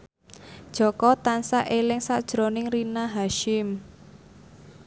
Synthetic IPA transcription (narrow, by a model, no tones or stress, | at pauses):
d̥ʒ̥ɔ̤kɔt̪ansaʔelɪŋsad̥ʒ̥ɾonɪŋrinaɦaʃɪm